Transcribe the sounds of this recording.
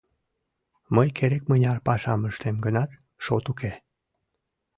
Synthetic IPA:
məjkʰeɾekmənʲɑrpɑʃɑməʃt̪emɡənɑt̪ | ʃot̪uke

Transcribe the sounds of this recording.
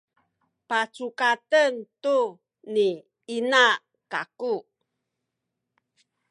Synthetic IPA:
pat͡sukatəntu | ni | ina | kaku

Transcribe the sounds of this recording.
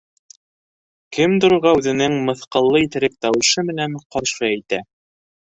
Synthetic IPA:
kɘmd̪ŏɾŏɾʁɑʉðɘ̆nɘŋmɤ̆θqɤ̆lˠːɤit̪ɘ̆ɾɘp̚t̪ɑwɤ̆ʃɤmɘ̆næɴqɒɾʃɤæjt̪æ

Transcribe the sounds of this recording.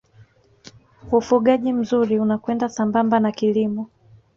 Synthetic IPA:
ufuɠaʄim̩zuɾiunakwɛndasambambanakilimɔ

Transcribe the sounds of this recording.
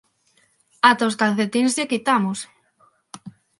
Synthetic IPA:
at̪oskanθet̪inzʎekit̪amos

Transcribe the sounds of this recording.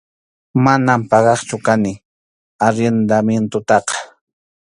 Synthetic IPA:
manampɑɢɑχt͡ʃʊkanɪ | aɾend̪amjent̪ʊt̪ɑqɑ̥

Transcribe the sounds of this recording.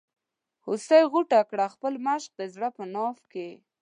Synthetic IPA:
husajɣuʈakɽaxpəlmaʃq̚d̪əzɽapənɑfke

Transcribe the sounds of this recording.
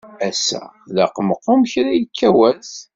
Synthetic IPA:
æsːæ̰ðæqəməqːʊmçɾæjəkʰːæwæθ

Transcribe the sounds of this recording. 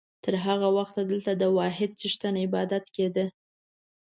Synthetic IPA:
t̪əɾɦaɣawaxt̪d̪əlt̪ad̪əwɑɦɪd̪̚t͡səʃt̪anaɪbɑd̪at̪ked̪ə

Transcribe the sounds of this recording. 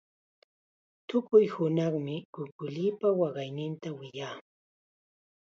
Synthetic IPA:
t̪ʊkʊjhʊnɑχmɪkʊkʊliːpawɑɢɑjnɪnt̪awɪjaː

